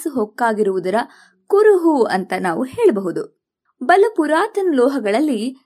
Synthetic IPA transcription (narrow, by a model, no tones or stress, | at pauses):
suɦɔkːaːɡiɾuʋud̪ɐɾɐ | kuɾuɦuɐnt̪ɐnaːʋuɦeːɭɐbɐɦud̪u | bɐlɐpuɾaːt̪ɐnlɔːɦɐɡɐɭɐlːi